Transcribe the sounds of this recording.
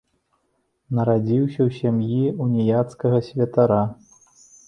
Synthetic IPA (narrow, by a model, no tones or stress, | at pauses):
nɐɾad͡zʲiwsʲɐwsʲamjiunʲijat̪skɐɣɐsʲvʲɐt̪aɾa